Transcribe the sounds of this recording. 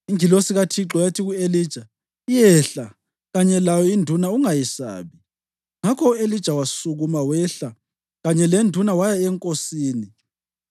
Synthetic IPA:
iŋilosiɣatʰiǁɔjatʰiɣueliːd̥ʒ̥ʱa | ijɛɬa | ɣaɲɛlajɔindʱunauŋajɛsa̰ːβi | ŋakʰɔuelid̥ʒ̥ʱawasuɣumawɛɬa | ɣaɲɛlendʱunawajaɛŋkʼosiːni

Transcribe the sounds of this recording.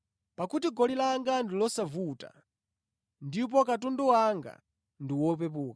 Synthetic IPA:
pakutiɡɔlilaŋɡandilɔsavuta̰ | ndip̬ɔkat̬unduwaŋɡa̰ | ndiwɔp̬ɛp̬uːka

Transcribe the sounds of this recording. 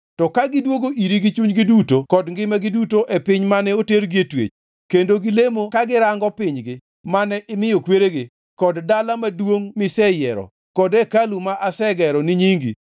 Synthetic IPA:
tɔkaɡɪdwoɡoʔiɾiɡit͡ʃuɲɡɪdutokɔdŋɡɪmaɡɪdutoʔepɪɲmanɛoteɾɡietwḛt͡ʃ | kendoɡɪlemokaɡɪɾaŋɡɔpɪɲɡɪ | manɛʔɪmɪjokweɾeɡɪ | kɔddalamadwoŋmɪsɛjɛɾɔ̰ | kɔdɛkalumaʔasɛɡɛɾɔnɪɲiŋɡḭ

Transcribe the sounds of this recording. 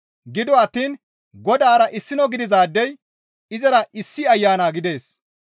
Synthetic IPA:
ɡɪd̪ɔɐt̪ːiːn | ɡɔd̪aːɾɐʔɪsːɪnɔɡɪd̪ɪzaːd̪ːɛj | ɪzɐɾɐʔɪsːɪɐjːaːnaːɡɪd̪e̞ːs

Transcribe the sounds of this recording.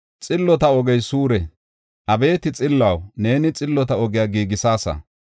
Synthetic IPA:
t͡sʼɪlːɔt̪ɐɔɡɛjsuːɾɛ | ʔɐbe̞ːt̪ɪt͡sʼɪlːɐwne̞ːnɪt͡sʼɪlːɔt̪̬ɐɔɡɪjaːɡiːɡɪsaːsɐ̰

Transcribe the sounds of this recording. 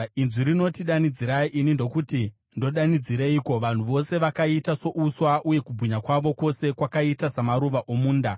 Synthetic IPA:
inziɾino̞tiɗanid͡ziɾaiʔinindo̞kuti | ndo̞ɗanid͡ziɾeiːko̞ʋan̤uʋo̞se̞ʋakaitaso̞ʔuswaʔuje̞kubʱuɲakwaʋo̞ko̞se̞kwakaitasamaɾuʋaʔo̞muːnda

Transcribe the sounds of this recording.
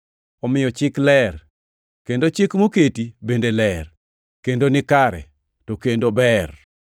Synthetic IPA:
ɔmɪjɔt͡ʃɪklɛr | kendot͡ʃɪkmoketibendelɛr | kendonɪkaɾɛ̰ | tokendobɛr

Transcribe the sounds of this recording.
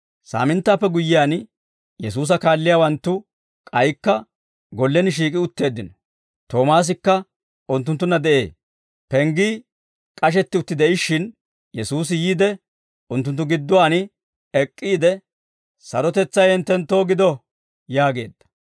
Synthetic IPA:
sa̰ːmɪnt̪ːaːpːɛɡʊjːɪjaːn | jɛs̬uːs̬ɐkaːlːɪjaːwɐnt̪ːʊ | kʼɐjkːɐ | ɡɔlːɛnɪʃ̬iːkʼɪʊt̪ːe̞ːd̪ːɪnɔ̥ | t̪o̞ːmaːs̬ɪkːɐ | ʊnt̪̬ːʊnt̪ːʊnːɐd̪ɛʔe̞̰ː | pɛŋɡiː | kʼɐʃ̬ɛt̪ːɪʊt̪ːɪd̪ɛɪʃːɪn | jɛsuːs̬ɪjiːd̪ɛ | ʊnt̪ːʊnt̪ːʊɡɪd̪ːʊwaːnɪ | ɛkʼːiːd̪ɛ | sɐɾɔt̪ɛt͡sːɐjɛnt̪ːɛnt̪ːo̞ːɡɪd̪ɔ | jaːɡe̞ːd̪ːɐ̥

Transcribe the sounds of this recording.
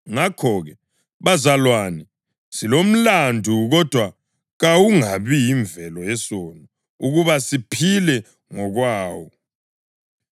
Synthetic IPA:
ŋakʰɔɣɛ | βazalwanɛ | silom̩landʱuɣɔd̥ʱwa | ɣawuŋaβijiɱvɛlɔɛsɔnɔ | uɣuβasipʰilɛ | ŋɔɣwaːwɔ

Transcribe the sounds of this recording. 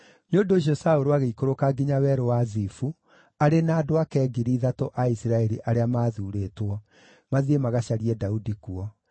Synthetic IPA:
njondoʃ̬ɔsaoɾoaɣeikoɾokaɡiɲawɛɾowazifu | aɾenaːdoakɛːɡiɾiːðatoʔaisiɾaɛɾiʔaɾeamaːðuːɾeːtwɔ | maðiemaɣaɕaɾiɛdaudikuɔ

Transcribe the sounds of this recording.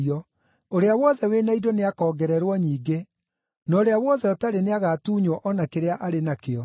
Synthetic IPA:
ɔ | oɾeawɔðɛwenaidoneakɔːɡɛɾɛɾwɔɲiːɡe | nɔoɾeawɔðɛɔtaɾeneaɣaːtuːɲwɔʔɔnakeɾeaʔaɾenakeɔ

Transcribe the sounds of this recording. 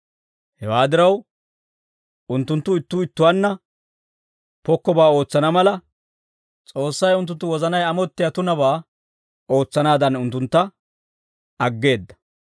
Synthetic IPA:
hɛwaːd̪ɪɾɐw | ʊnt̪ːʊnt̪ːʊɪt̪ːʊɪt̪ːʊwanːɐ | pɔkːɔbaːo̞ːt͡sːɐnɐmɐlɐ | t͡sʼo̞ːsːɐjʊnt̪̬ːʊnt̪ːʊwɔzɐnɐjɐmɔt̪ːɪjɐt̪ʊnɐbaː | o̞ːt͡sːɐnaːd̪ɐnʊnt̪ːʊnt̪ːɐ | ɐɡːe̞ːd̪ːɐ̥

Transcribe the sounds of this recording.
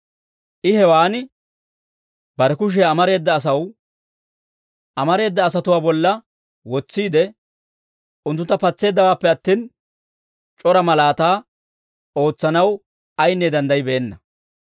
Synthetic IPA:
ʔɪhɛwaːnɪ | bɐɾɛkʊʃ̬ɛɐmɐɾe̞ːd̪ːɐːs̬ɐw | ʔɐmɐɾe̞ːd̪ːɐːsɐt̪ʊwaːbɔlːɐ | wɔt͡sːiːd̪ɛ | ʊnt̪ːʊt̪ːɐpɐt͡sːe̞ːd̪ːɐwaːpːɛɐt̪ːiːn | t͡ʃʼɔɾɐmɐlaːt̪aː | o̞ːt͡sːɐnɐw | ɐjnːɛd̪ɐnd̪ɐjɪbeːnːɐ

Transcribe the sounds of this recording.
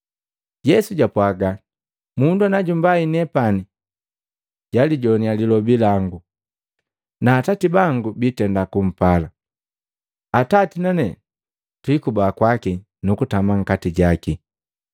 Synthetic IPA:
ɟɛsuɟapwaɡa | munduanaɟumbainɛpani | ɟ̥aliɟɔnialilɔbilaŋɡu | naːtatibaŋɡubitɛndakum̩pala | atatinanɛ | twikubaːkwaki | nukutamaŋ̩katiɟaki

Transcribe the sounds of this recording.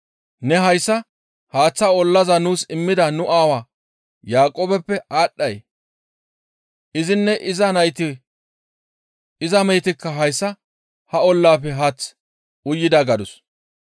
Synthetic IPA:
nɛɦɐjsːɐ | haːt͡sːɐɔlːɐzɐnuːsɪmːɪd̪ɐnʊʔaːwaː | jaːkʼoːbɛpːɛʔaːɗːɐj | ʔɪzɪnːɛʔɪzɐnɐjt̪ɪ | ɪzɐmɛjt̪ɪkːɐɦɐjsːɐ | hɐɔlːaːpːɛɦaːt͡sː | ʊjːɪd̪ɐɡɐd̪ʊs

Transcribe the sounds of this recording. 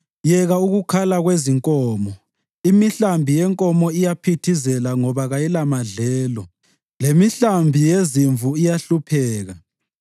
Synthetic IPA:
jɛɣauɣukʰalaɣweziŋkʼɔːmɔ | imiɬambʱijɛŋkʼɔmɔijapʰitʰizɛlaŋɔβaɣajilamaɮɛːlɔ | lemiɬambʱijeziɱvʱuijaɬupʰɛːɣa

